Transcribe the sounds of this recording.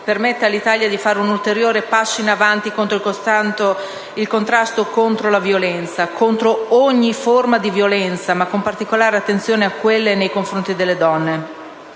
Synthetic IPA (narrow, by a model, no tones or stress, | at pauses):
permet̪ːealːit̪aːljad̪ifaːɾeunult̪eɾjoːɾepasːoinavant̪ikont̪ɾoilkost̪ant̪o | ilkont̪ɾast̪okont̪ɾolavjolɛnt̪sakʰont̪ɾooɲːiformad̪ivjolɛnt̪samakːompart̪ikolaːɾeat̪ːent̪sjoːneakːwelːenejkoɱfɾont̪id̪elːed̪ɔnːe